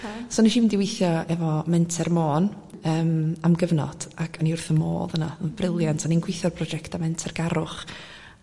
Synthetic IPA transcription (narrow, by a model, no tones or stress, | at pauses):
soːniʃivindɪwɪjθjɔɛvɔmɛntʰɛrmoːn | əːmamɡəvnɔ̰d̥akʰaniʊrθəmo̰ːðənabrɪlˠjantʰaninɡwɪjθjɔrpʰrɔd͡ʒɛktamɛntʰɛrɡaɾʊχ